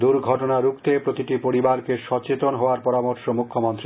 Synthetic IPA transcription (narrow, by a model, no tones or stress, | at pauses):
d̪uɾɡʱɔʈonaɾukʰt̪epɾot̪iʈipoɾibaɾkeʃɔt͡ɕet̪onɦɔoaɾpɔɾamoɾʃomukʰːomont̪ɾi